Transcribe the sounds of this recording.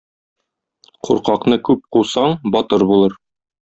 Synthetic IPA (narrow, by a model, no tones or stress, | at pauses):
quɾqɑqnɤkʉp̚quwsɑɴbɒt̪ɤɾbulˠɤɾ